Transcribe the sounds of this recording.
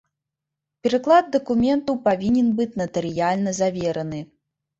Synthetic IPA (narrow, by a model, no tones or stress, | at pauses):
pʲɛɾɨklˠad̪d̪ɐkumʲɛnt̪ɐwpavʲinʲɛnbɨt͡sʲnɐt̪ɨɾɨjalʲnɐzavʲɛɾɐnɨ